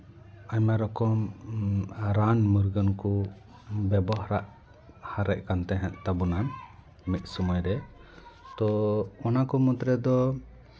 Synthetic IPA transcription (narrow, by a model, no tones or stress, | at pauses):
aɲmaɾɔkɔm | ɾanmuɾɡənku | bɛbɔɦɾaʔ | haɾɛc̚ˀkant̪ɛɦɛ̃ʔt̪abunan | mit̪̚ˀsɔmɔjɾɛ | t̪ɔɔnakɔmɔd̪ɾɛd̪ɔ